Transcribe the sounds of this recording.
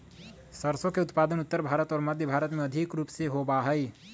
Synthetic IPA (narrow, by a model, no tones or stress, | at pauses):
səɾsõkeʊt̪paːd̪ənʊt̪ːəɾbʱaːɾət̪ɔːɾməd̪ʱjəbʱaːɾət̪meɐd̪ʱɪkɾuːpseɦobaɦɛi